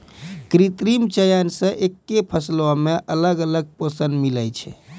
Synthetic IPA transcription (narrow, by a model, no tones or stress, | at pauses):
kɾit̪ɾimt͡ʃəjənsə̃ʔekːepʰəslameʔələɡələɡ̚pəsənd̪milət͡ʃʰɛ̰